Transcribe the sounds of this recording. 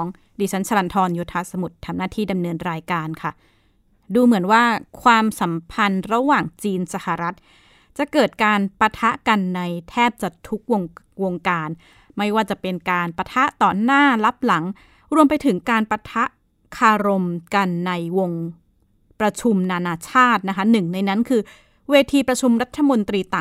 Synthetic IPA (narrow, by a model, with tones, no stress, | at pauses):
ŋ | diː˨˩t͡ɕʰa˨˦˥nsʰa˧la˧nt̪ʰɔː˧njoː˧t̪ʰaː˧sa˧mu˨˩t̪ʰːa˧mnaː˥˩t̪ʰiː˥˩da˧mnɤː˧nɾaː˧jkaː˧nkʰa˥˩ | duː˧mɯ˩˦ənwaː˥˩kʰwaː˧msa˩˦mpʰa˧nɾa˧waː˨˩ŋt͡ɕiː˧nsa˧ha˨˩ɾa˦˥t̪̚ | t͡ɕa˨˩ʔkɤː˨˩t̪̚kaː˧npa˧t̪ʰa˦˥ʔka˧nːa˧jt̪ʰɛː˥˩p̚t͡ɕa˨˩t̪ʰu˦˥k̚wo˧ŋ | wo˧ŋkaː˧n | ma˥˩jwaː˥˩t͡ɕa˨˩pe˧nkaː˧npa˧t̪ʰa˦˥ʔt̪ɔː˨˩naː˥˩la˦˥p̚la˩˦ŋ | ɾu˧əmpa˧jt̪ʰɯ˩˦ŋkaː˧npa˧t̪ʰa˦˥ʔ | kʰaː˧ɾo˧mka˧nːa˧jwo˧ŋ | pɾa˧t͡ɕʰu˧mnaː˧naː˧t͡ɕʰaː˥˩t̪̚na˦˥kʰa˦˥nɯ˨˩ŋna˧jna˦˥nkʰɯː˧ | weː˧t̪ʰiː˧pɾa˧t͡ɕʰu˧mɾa˦˥t̪ʰːa˧mo˧nt̪ɾiː˧t̪a˨˩ŋ